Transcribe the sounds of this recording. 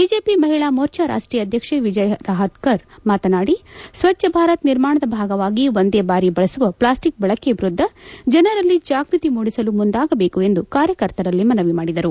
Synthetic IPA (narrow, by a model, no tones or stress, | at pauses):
biːd͡ʒeːpimɐɦiɭaːmoːɾt͡ʃɐɾa̰ːʂʈɾijɐd̪ʱjɐkʂeʋid͡ʒɐjɾaːɦɐʈ̪kɐɾmaːt̪ɐnaːɽisʋɐt͡ʃːɐbʱaːɾɐt̪niɾmaːɳɐd̪ɐbʱaːɡɐʋaːɡiʋond̪eːbaːɾibɐɭɐsuʋɐpɭaːsʈik̚bɐɭɐkebɾud̪ʱːɐd͡ʒɐnɐɾɐlːid͡ʒaːɡɾit̪imuːɽisɐlumund̪aːɡɐbe̞ːkue̞nd̪ukaːɾjɐkɐɾt̪ɐɾɐlːimɐnɐʋimaːɽid̪ɐɾu